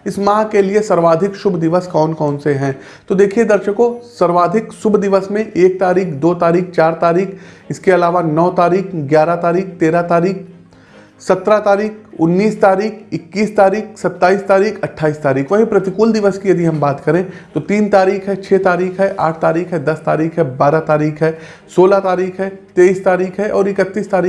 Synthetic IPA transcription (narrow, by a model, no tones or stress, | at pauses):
ɪsmãːkeliesɐɾʋaːd̪ʱɪkʃʊbʱd̪ɪʋəskɔːnkɔːnseɦɛ̃ː | t̪od̪eːkʰied̪ɐɾʃəkosɐɾʋaːd̪ʱɪkʃʊbʱd̪ɪʋəsmẽʔeːk̚t̪aːɾiːkʰd̪oːt̪aːɾiːk̚ʰt͡ʃaːɾt̪aːɾiːkʰ | ɪskeɐlaːʋanɔːt̪aːɾiːkʰɡjaːɾat̪aːɾiːk̚t̪eːɾat̪aːɾiːk̚ | sɐt̪ɾat̪aːɾiːk̚ʰʊnːiːst̪aːɾiːkʰɪkːiːst̪aːɾiːkʰsɐt̪ːaːiːst̪aːɾiːkʰɐʈʰːaːiːst̪aːɾiːkʰʋɐɦipɾɐt̪ɪkʊld̪ɪʋəskijɐd̪iɦɐ̃mbaːt̪kɐɾẽt̪ot̪iːnt̪aːɾiːkʰɦɛt͡ʃʰeːt̪aːɾiːkʰɦɛʔa̰ːʈ̚ʰt̪aːɾiːkʰɦɛd̪ɐst̪aːɾiːkɦɛbaːɾat̪aːɾiːkʰɦɛ | soːlat̪aːɾiːkʰɦɛt̪eːiːst̪aːɾiːkʰɦɛʔɔːɾɪkət̪ːiːst̪aːɾiː